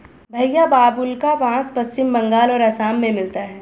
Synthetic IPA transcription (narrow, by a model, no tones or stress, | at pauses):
bʱɐjːabaːbʊlkaʋãːspɐst͡ʃɪmːɐ̃ŋɡaːlɔːɾɐsaːmːẽmɪlt̪aɦɛː